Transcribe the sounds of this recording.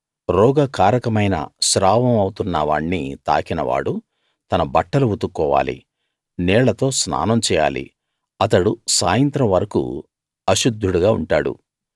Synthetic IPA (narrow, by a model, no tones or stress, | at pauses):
ɾɔːɡɐkaːɾɐkɐmɐjnɐ̰ʃɾaːʋɐmɐwut̪unːɐʋa̰ːɳnːḭt̪a̰ːkinɐ̰ʋa̰ːɽu | t̪ɐnɐbɐʈːɐluʋut̪ukːɔːʋa̰ːlḭ | nɛːɭɐt̪o̞ːsna̰ːnɐmt͡ʃɛːja̰ːlḭ | ɐt̪ɐɽusaːjɐnt̪ɾɐmʋɐɾɐkṵ | ɐʃud̪ʱːuɽuɡaːṵɳʈaːɽṵ